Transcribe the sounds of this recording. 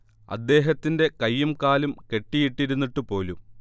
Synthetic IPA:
ɐ̰d̪ːe̞ːɦɐt̪ːinde̞kɐjːumkaːlumke̞ʈːijiʈːiɾunːiʈːupo̞ːlum

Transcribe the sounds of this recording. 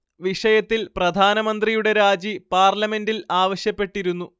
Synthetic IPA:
ʋiʂɐjɐt̪ːilprɐd̪ʱaːnɐmɐnd̪rijuɽe̞ɾaːd͡ʑipaːrlɐme̞ndilaːʋɐɕjɐpːe̞ʈːiɾunːu

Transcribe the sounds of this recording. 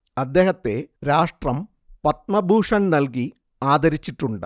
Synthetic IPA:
ɐd̪ːe̞ːɦɐt̪ːe̞ɾaːʂʈrɐm | pɐt̪̚mɐbʱuːʂɐnnɐlk̬i | aːd̪ɐɾit͡ɕːiʈːuɳɖɨ̰

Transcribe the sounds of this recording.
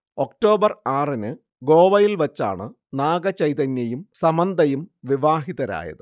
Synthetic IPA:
o̞k̚ʈo̞ːbɐraːrinɨ | ɡo̞ːʋɐjilʋɐt͡ɕːa̰ːɳɨ | naːɡɐt͡ɕɐjt̪ɐnjɐjumsɐmɐnd̪ʱɐjumʋiʋaːɦiðɐɾa̰ːjɐ̰ðɨ

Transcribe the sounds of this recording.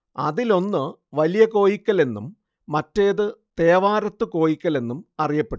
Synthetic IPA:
ɐ̰ðilo̞nːɨ | ʋɐlijɐko̞ːjikʲːɐle̞nːumː | ɐtːeːðɨt̪e̞ːʋaːɾɐt̪ːɨko̞ːjikʲːɐle̞nːumɐrijɐpːe̞ʈːu

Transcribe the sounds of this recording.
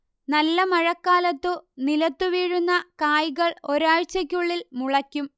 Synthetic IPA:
nɐlːɐmɐɻɐkːaːlɐt̪ːɨnilɐt̪ːuʋiːɻunːɐkaːjɣɐɭo̞ɾaːɻt͡ɕːɐk̬ʲːuɭːilmuɭɐkʲːum

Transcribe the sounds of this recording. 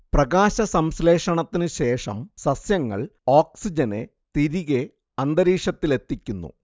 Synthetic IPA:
prɐɣaːɕɐsɐmsleːʂɐɳɐt̪ːinɨɕe̞ːʂɐ̰msɐsjɐŋːɐ̰ɭoːksid͡ʑɐne | t̪iɾiɣe | ɐnd̪ɐɾiːʂɐt̪ːile̞t̪ːikʲːunːṵ

